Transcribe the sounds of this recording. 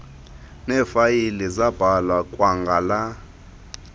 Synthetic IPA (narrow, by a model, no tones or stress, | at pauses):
nɛːfajilɛzab̥ʱalwakʼwaŋɡʱala